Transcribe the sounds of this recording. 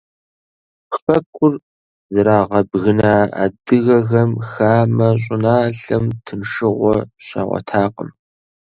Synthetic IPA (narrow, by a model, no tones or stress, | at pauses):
fɐkʷʼʊr | zɐɾaːʁɐbɣɨnaːa̰dɨɣɐɣɐmxaːmɐɕ̬ʼɪnaːɬɐmtʰɨnʂɨʁʷɔɕɐ̰ʁʷɔ̰tʰaːqʼə̰m